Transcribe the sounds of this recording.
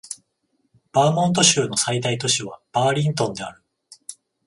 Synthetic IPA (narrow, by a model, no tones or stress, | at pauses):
b̥aːmõ̞nt̪̬o̞ɕɨːno̞said̪ait̪o̞ɕiβ̞ab̥aːɾʲĩnt̪õ̞nd̪e̞aɾɯ̟